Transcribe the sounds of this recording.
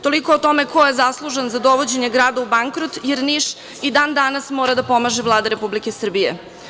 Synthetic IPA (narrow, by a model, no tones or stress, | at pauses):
t̪o̞liko̞ːt̪o̞me̞ko̞je̞zaslˠuʒenzad̪o̞ʋo̞d͡ʑeɲe̞ɡɾaːd̪aubaŋkɾot̪jeɾniʃ | id̪aːnd̪anasmoːɾad̪apo̞maʒeʋlˠaːd̪aɾepublikesr̩bijḛ